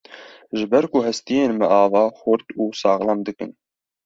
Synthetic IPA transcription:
ʒɨbɛɾkuhɛst̪ijeːnmɛʔɑːvɑːxʊɾt̪uːsɑːɣlɑmd̪ɨkɨ̰n

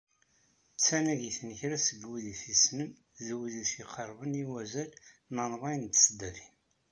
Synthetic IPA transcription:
t͡sːænæʝiθnəçɾæsəɡwiðiθisnəm | ðwiðisiqʰəɾˤvəniwæzælnɑnvˤɑjənt̪sd̪æθi̥n

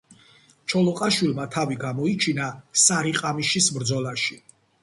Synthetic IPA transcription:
t͡ʃʰɔlɔqʼaʃwilˠmat̪ʰaviɡamɔit͡ʃʰinasaɾiqʼamiʃisbɾd̪zɔlˠaʃi̥

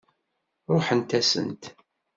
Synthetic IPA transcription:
ɾˤʊħənt̪æsə̰nt̪

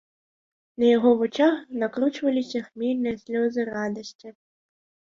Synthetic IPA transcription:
nɐjɐɣɔvut͡ʃaxnɐkɾut͡ʃvɐlʲisʲɐxmʲelʲnɨjɐsʲlʲɔzɨrad̪ɐsʲt͡sʲi

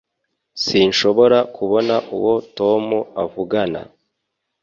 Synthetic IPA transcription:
sinʃo̞βo̞ɾakʰuβo̞naʔuwo̞to̞muavuɡana̰

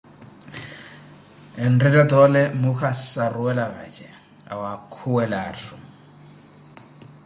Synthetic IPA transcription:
ɛndɛdɛd̪ɔlɛmuxasaruwɛlaβa̰d͡ʒʰɛ | a̰wakʰuwɛlaːtʰu

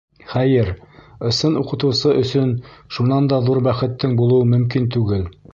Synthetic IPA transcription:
χæjɘɾɤ̆sɤnuqɤ̆t̪ɤ̆wsɤʔɵ̆sɵnʃunɑnd̪ɑðuɾbæχɘ̆t̪ːɘŋbulˠɤwɤmɵ̆mkint̪ʉɡɘl

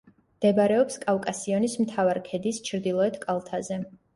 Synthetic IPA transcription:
md̪̥ɛbɾɛɔpskʼavkʼasiɔnismt̪ʰavaɾkʰɛd̪ist͡ʃʰɾd̪ilˠɔɛt̪ʰkʼalˠt̪ʰazɛ

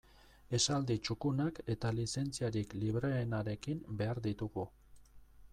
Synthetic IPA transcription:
e̞sald̪it͡ʃukunake̞t̪alise̞nt͡siaɾikliβɾeːnaɾe̞kimbe̞aɾðit̪uɣu

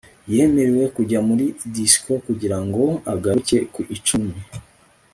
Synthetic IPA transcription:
jeme̞ɾewe̞kuɟamuɾidisko̞kuɟiɾaŋɡo̞aɡace̞kuʔit͡ʃumi

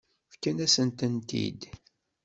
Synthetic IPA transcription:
fkːænæsənt̪ənt̪ḭd̪

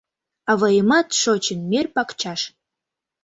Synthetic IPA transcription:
avajɪmatʂot͡ʃʰɪnmʲerpakt͡ʃʰaʂ

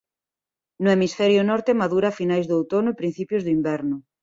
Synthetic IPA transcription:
nʊemisfɛɾjʊnɔɾt̪emaðuɾafinajzðowt̪onʊepɾin̟θipjʊzðʊimbɛɾnʊ

